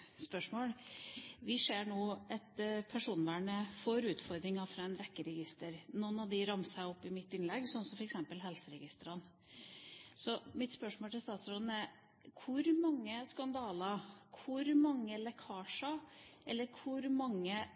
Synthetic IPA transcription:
spœʂmoːlʋɪseːɳoːɛt̪pʰæʂuːnʋæːɳəfɔɾʉːt̪fɔɾd̪ɾɪŋɑfɾɑɛnɾɛkːəɾɛɡɪst̪əɾnoːnɑd̪ɪɾɑmsæɪɔpːɪmɪt̪ːɪnlɛɡsɔnsɔmfɔɾɛksɛmpəlɦɛlsəɾɛɡɪst̪əɾɑn | sɔmɪt̪spœʂmoːlt̪ʰɪlst̪ɑːt̪sɾɔd̪n̩æɾ | kʰʊɾmɑŋːəskɑnd̪ɑːlɑkʰʊɾmɑŋːəlɛkʰɑːʂɑʔɛlːəɾkʰʊɾmɑŋːə

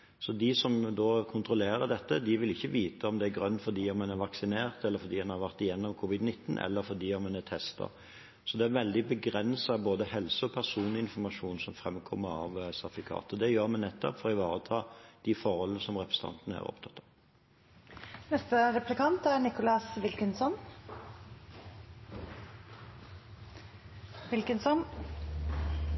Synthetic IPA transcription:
sɔd̪ɪsɔmd̪oːkʰʊnt̪ɾʊleːɾəd̪ɛt̪ːəd̪ɪʋɪlɪçːəʋiːt̪əɔmd̪ɛæɾɡʁœnt̪fɔɾd̪iːɔmɛnæɾʋɑksɪneːʁt̪ɛlːəɾfɔd̪iːɛnhɑɾʋæʁt̪ɪjɛnːɔmkʰuːʋɪd̪nɪt̪ːnʔɛ̰lːəɾfɔd̪iːɔmɛnæt̪ʰɛst̪ɑ̰ʁ | sɔd̪ɛæɾʋɛld̪ɪbəɡɾɛnsɑboːd̪əhɛlsəɔpʰæʁsuːnlɪɪnfɔɾmɑʂuːnsɔmfɾɛmkʰɔmːəɾɑ̰ʋsɑfɪkʰɑ̰ːt̪ɔd̪ɛjøːɾmɛnːɛt̪ːɔ̰pfɔɾɔɪʋɑːɾət̪ʰɑːd̪̥ɪfɔɾhɔlːənəsɔmʁɛpʰʁəsə̥t̪ʰɑ̰nt̪nəæ̰ɾɔ̰pt̪ʰɑt̪ʰːɑ | nɛst̪əɾɛplɪkɑnt̪æɾnɪkʊlɑsʋɪlkənsɔn | ʋɪlkənsɔn

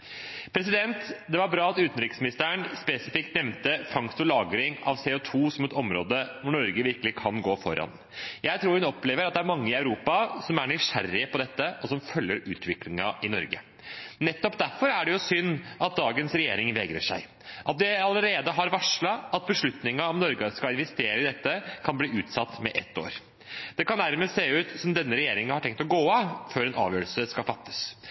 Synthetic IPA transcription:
pʰɾɛs̬ɪd̪ɛnt̪d̪ɛʋɑɾbɾɑːɑt̪ʉːt̪ənɾɪksmɪnɪst̪əəɳspɛsɪfɪk̚t̪nɛmnt̪əfɑŋst̪ʊlɑːɡɾɪŋɑ̰ʋseːɔt̪ʰuːsɔmɛt̪ɔmɾo̰ːd̪əʋʊɳɔɾɡəʋɪɾkəlɪkʰɑnɡoːfɔ̰ɾɑ̰n | jæɪt̪ʰɾuːɾhʉnɔpleːʋəɾɑt̪d̪ɛæɾmɑŋːəɪɑʉɾuːpɑsɔmæɳʏʂæ̰ɾːɪpʰɔd̪ɛt̪ːəʔɔsɔmfœlːəɾʉ̰ːt̪ʰʋɪklɪŋɑʔɪnɔ̰ɾɡə̰ | nɛt̪ːɔpd̪æɾfɔɾæɖɛjʊsʏnːɑt̪̚d̪ɑːɡənsɾɛjeːɾɪŋʋɛːɡɾə̰ʂæ̰ɪ | ʔɑt̪̚d̪ɪɑləɾeːd̪əɦɑɾʋɑʂɭɑʔɑt̪̚bəʂɭʉt̪nɪŋɑɔmnɔɾɡəskɑlɪnʋɛst̪eːɾəɪd̪ɛt̪ːəkʰɑnbliːʉːt̪sɑt̪ːmɛʔɛt̪ːo̰ːɾ | d̪̥ɛkɑnd̪æɾməseːʉːt̪sɔmd̪ɛnːəɾɛjeːɾɪŋəhɑʈʰɛŋk̚t̪ɔɡoːɑføːɾɛnʔɑ̰ːʋjøːɭsəskɑlfɑt̪ːə̥s

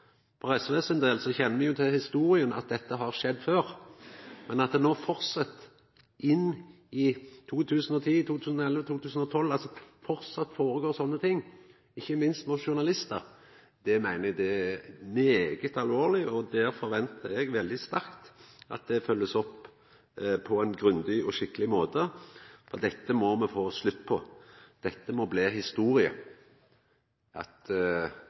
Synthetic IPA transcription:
pʰɔɾɛsʋeːsənd̪eːlsɔçɛnːəmɪjʊt̪ʰɪlhɪst̪uːɾɪənɑ̰t̪̚d̪ɛt̪ːəɦɑɾʂɛd̪ːføːɾ | mɛnɑt̪d̪ɛnoːfɔɾsɑt̪ː | ʔɪnː | ɪt̪ʰuːt̪ʰʉːsənɔt̪ʰiːt̪ʰuːt̪ʰʉːsənɔɛlʋət̪ʰuːt̪ʰʉːsən̩ɔt̪ʰɔlːɑlsɔfɔɾsɑt̪ːfoːɾəɡoːɾsɔnːət̪ʰɪŋː | ɪçːəmɪnst̪mʊʃʊɾnɑlɪst̪əɾ | d̪̥ɛmæɪnəɛɡ̚d̪ɛæmeːɡət̪ɑlʋoːɾlɪɔd̪æːɾfɔɾʋɛnt̪ʰəɾɛɡʋɛld̪ɪst̪æɾkt̪ɑ̰t̪̚d̪ɛfœlːəsɔpː | pʰɔæɪnɡɾʉnd̪ɪɔʃɪkːəlɪmoːt̪əfɔ̰ʁd̪ɛt̪ːəmɔmɛfoːslʉt̪ːpʰɔd̪̥ɛt̪ːəmɔbleːhɪst̪uːɾɪə̰ | ʔɑ̰t̪

